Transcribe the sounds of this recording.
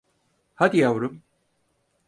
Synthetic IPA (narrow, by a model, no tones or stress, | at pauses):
had̪ijawɾum